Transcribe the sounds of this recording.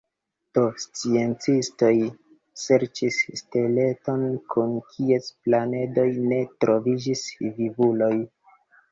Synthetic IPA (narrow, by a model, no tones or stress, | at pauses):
d̥ost͡sie̞nt͡sisto̞j | se̞ɾt͡ʃisːtele̞to̞nkʰunkʰiesplane̞do̞jne̞tɾo̞vid͡ʒisvivulo̞j